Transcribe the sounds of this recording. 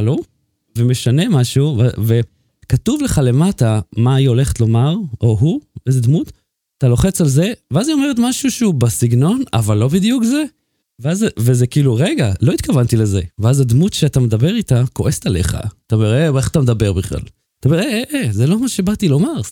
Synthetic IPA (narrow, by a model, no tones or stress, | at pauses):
lu | veme̞ʃane̞maʃuvve | katuvleχale̞matamaio̞le̞χet̪lo̞maʁʔo̞ɦuejzed̪mut | t̪alo̞χe̞t͡salze̞veazio̞me̞ʁet̪maʃuʃubasiɡno̞na̰valːo̞bid̪jukze̞ | veazvezekiiːluʁeɡalo̞it̪kavantile̞ze̞veazad̪mutʃeatamed̪abe̞ʁitakoʔe̞stale̞χa̰taomeʁeeχḁt̪amed̪abe̞ʁbiχla̰l | t̪aomeʁeeʔezelo̞maʃe̞bat̪ilo̞maʁ